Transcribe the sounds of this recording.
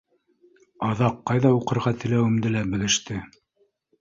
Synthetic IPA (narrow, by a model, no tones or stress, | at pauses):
ɑðɑqːɑjðɑuqɤ̆ɾʁɑt̪ɘ̆læwɘ̆md̪ɘlæbɘ̆ðɘ̆ʃt̪ɘ